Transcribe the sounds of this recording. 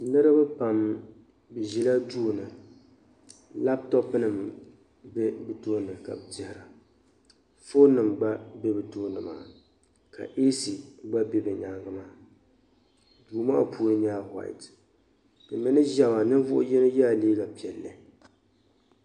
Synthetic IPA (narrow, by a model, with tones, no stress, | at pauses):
nɨ˦ɾɨ˦bɨ˦pa˨m | bɨ˨ʒi˨la˦duː˦nɨ˨ | la˦b̚tɔ˦pɨ˦nɨ˨m | bɛ˦bɨ˨toː˦nɨ˨ka̰˨bɨ˨dɪ˦hɪ˨ɾa˨ | fo˦nɨ˨mɡ͡ba˦bɛ˦bɨ˨toː˦nɨ˨ma̰ː˨ | ka̰˨ʔe˦si˨ɡ͡ba˦bɛ˦bɛ˨ɲa˨ŋɡɨ˦maː˨˦ | duː˨ma̰˦pʰu˦ɾɨ˦ɲ˦aː˦ha̰˨ɪ̰˨t | bɨ˨mɨ˨nɨ˦ʒa˦ma˨nɨ˦n˦vʊ˦ʔʊ̰˦jɛ˦nɨ˦ja˦˨leː˦ɡa˨pi˨ɛ˨lːɨ˨